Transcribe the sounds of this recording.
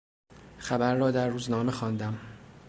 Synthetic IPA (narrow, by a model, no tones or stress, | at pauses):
xæbæɾːɒːd̪æɾːuːznɒːme̞xɒːnd̪æm